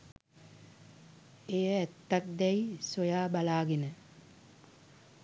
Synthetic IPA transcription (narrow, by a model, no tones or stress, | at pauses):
ejəæt̪ːak̚d̪ɛjsojaːbalaːɡenə